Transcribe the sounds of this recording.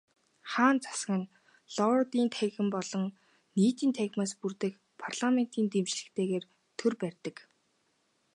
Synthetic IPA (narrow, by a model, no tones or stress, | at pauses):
χaːnt͡sḁskə̆n | ɮɔt̪iːnt̪ʰæɣɘ̆mpɔɮɞ̆ŋ | niːt̪iːnt̪ʰæɣʲmaːspurt̪ɘ̆k | pʰarɮ̥amen̥t̪iːnt̪emt͡ɕɮɘ̆kt̪ʰeːɣeːr | t̪ʰɵrpærʲt̪ə̆k